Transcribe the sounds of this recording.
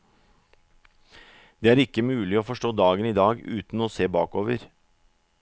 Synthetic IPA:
d̪̥eːæːɾɪkːəmʉːlɪoːfɔʂʈoːd̪ɑːɡəniːd̪ɑːɡʉ̰ːt̪n̩oːseːbɑːkoːʋəɾ

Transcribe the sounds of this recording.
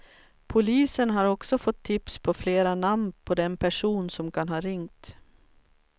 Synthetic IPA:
pʰʊliːsənɦaɾɔksɔfɔt̪ʰːɪpspʰɔfleːɾanamnpʰɔd̪ɛnpʰæʂuːnsɔmkʰanɦɑːɾɪŋt̪

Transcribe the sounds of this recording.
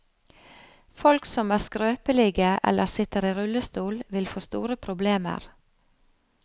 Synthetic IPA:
fɔlksɔmæːskɾøːpəliːɡəʔɛ̰lʔəsɪt̪əɾiːɾʉləst̪uːlʋɪlfoːst̪ṵːɾəpʰɾʊbleːmə̰ɾ

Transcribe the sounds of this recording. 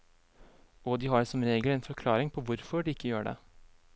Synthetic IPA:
ɔd̪ɪɦɑɖsɔmɾeːɡəlɛnfɔɾkʰlɑːɾɪŋpʰɔʋʊɾfɔɖɪɪkːəjøːɖɛ̰

